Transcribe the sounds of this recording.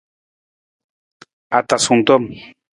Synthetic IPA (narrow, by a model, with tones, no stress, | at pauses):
a˨t̪a˨su˨nt̪o˦m